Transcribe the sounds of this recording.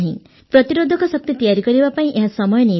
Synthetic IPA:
ɦĩ | pɾɔt̪iɾod̪ʱɔkɔsɔk̚t̪et̪ijaɾikɔɾibapaĩʔeɦasɔmɔjɔni

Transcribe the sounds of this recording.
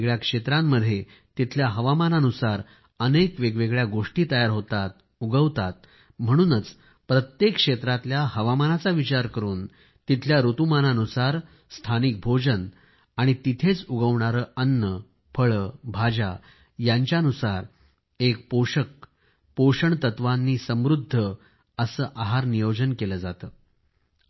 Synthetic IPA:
ɭjakʂet̪ɾãmːəd̪ʱːje | t̪it̪ʰljaɦəʋamananusaɾ | ənekʋeɡʋeɡɭjaɡoʂʈiːt̪əjaɾɦot̪at̪̚ | uɡəʋt̪at̪̚ | m̤əɽ̃uːnət͡s | pɾət̪jekːʂet̪ɾat̪ljahəʋamanat͡saʋit͡ɕaɾkəɾuːn | t̪it̪ʰljaɾut̪umananusaɾ | st̪ʰanik̚bʱod͡ʑən | aɽ̃it̪it̪ʰet͡suɡəʋɳaɾəːənːə | fʰəɭəːbʱad͡ʑa | jaɲt͡ɕjaənusaɾ | ek̚poɕək̚ | poʂəɳt̪ət̪ʋanːiːsəmɾud̪ʱːə | əsəːʔaɦaɾnijod͡ʑənkeləːd͡zat̪əː

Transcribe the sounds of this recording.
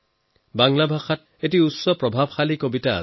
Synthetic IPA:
baŋlabʱaxat̚ | etiusɔpɹɔbʱab̚xalikobita̰

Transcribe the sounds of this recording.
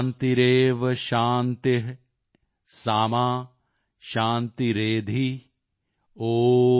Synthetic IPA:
nt̪iɾeːʋɐʃaːnt̪eɦ | saːmaː | ʃaːnt̪iɾeːd̪ʱi | oː

